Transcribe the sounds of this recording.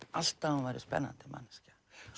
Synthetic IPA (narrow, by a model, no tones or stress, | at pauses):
al̥t̪auvajɾɪ̰spɛ̰nːa̰nt̪ɪma̰nːɪscḁ